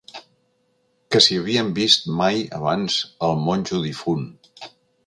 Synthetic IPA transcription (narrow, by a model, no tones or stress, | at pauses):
kəsiəβiəmbist̪majə̰βanz̥əlˠmonʲʒuðifun